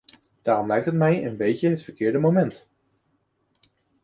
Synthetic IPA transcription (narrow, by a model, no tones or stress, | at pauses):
d̥aːrɔmlɛjk̚tɦətmɛjənbejtəɦətfəɹkɪːɹdəmowmɛnt